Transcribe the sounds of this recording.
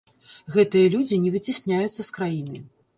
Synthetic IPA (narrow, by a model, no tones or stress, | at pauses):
ɣɛt̪ɨjɐlʲud͡zʲinʲɛvɨt͡sʲisʲnʲajut̪sːɐskɾajinɨ